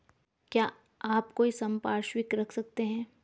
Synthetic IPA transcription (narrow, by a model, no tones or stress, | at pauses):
kjaː | aːpkoːisɐ̃mpaːɾʃwɪkɾɐkʰsɐk̚t̪eɦɛ̃ː